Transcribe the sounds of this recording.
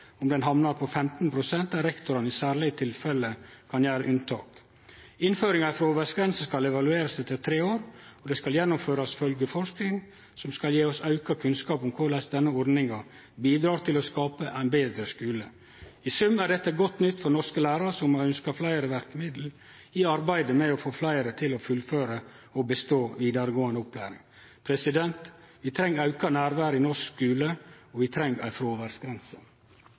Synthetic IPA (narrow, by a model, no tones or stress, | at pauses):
ɔmd̪ɛnɦɑmnɑɾpʰɔfɛmt̪n̩pʰɾʊsɛnt̪ɑɾɛkt̪ʊɾɑnɪsæːɾɭɪət̪ʰɪlfɛləkʰɑnjæːɾəʔʉnt̪ʰɑ̰ːk | ɪnføːɾɪŋɑfɾoːʋɛsɡɾɛnsəskɑlɛʋɑlʉeːɾəsd̪ɛt̪ːət̪ʰɾeːoːɾɔd̪ɛskɑljɛnːʊmføːɾɑsfœlɡəfɔɾʂknɪŋ | sɔmskɑljeːɔsɑʉkɑkʰʉnskɑːpʊmkʰʊɭæɪsd̪ɛnːəɔɾd̪nɪŋɑ | biːd̪ɾɑːɾt̪ʰɪlɔskɑːpəʔæɪnbeːd̪ɾəskʉːlə | ɪsʉmːæɾɖɛt̪ːəɡɔt̪ːnʏt̪ːfɔɾnɔskəlæːɾɑsɔmœnskɑflæɪəɾəʋæɾkəmɪd̪l̩ | ɪɑɾbæɪd̪əmɛɔfoːflæɪəɾət̪ʰɪlɔfʉlføːɾə | ɔbəst̪oːʋiːd̪ɑɾəɡoːənd̪əʊpʰlæːɾɪ̰ŋ | pʰɾɛsɪd̪ɛnt̪ʋɪt̪ʰɾɛŋːɾɑʉkɑnæːɾʋæːɾəɪnɔʂkskʉːləɔʋɪt̪ʰɾɛŋːæ̰ɪfɾoːʋæɾsɡɾɛnsə